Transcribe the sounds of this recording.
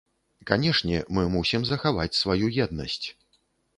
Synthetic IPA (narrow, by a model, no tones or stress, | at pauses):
kanʲɛʂnʲɛmɨmusʲimzɐxava̰t͡sʲsvajujɛd̪̚nɐ̰sʲt͡sʲ